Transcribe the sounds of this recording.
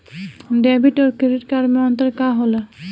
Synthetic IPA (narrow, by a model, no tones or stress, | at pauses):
dɛbiʈɔɾkiɾiʈkaɾmɛɔnt̪ɔɾkaɦola